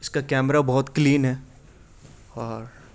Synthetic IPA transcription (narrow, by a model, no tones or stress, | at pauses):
ɪskakɛːmɾabɔɦʊt̪kliːnɦɛː | ɔːɾ